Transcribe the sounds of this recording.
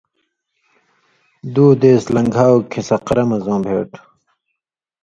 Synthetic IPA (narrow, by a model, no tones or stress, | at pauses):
d̪uːd̪eːslɐ̃ŋɡʱaːwkʰisɐqɾɐmɐzõːbʱḛːʈ